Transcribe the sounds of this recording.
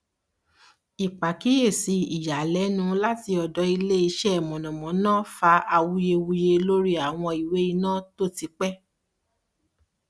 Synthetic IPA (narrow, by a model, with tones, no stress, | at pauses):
i˨k͡pa˨ki˨˦je˦˨si˧i˨ja˨lɛ˨˦nũ˦la˦ti˧ɔ˨dɔ˨˦i˧le˦i˧ʃɛ˦˨mɔ̃˨nɔ̃˨mɔ̃˨˦nã˦fa˧˦a˧wu˧˦je˧wu˧je˧lo˦ɾi˦a˦˨w̃ɔ̃˧i˨we˨˦i˧nãː˦˨to˦ti˧k͡pɛ˦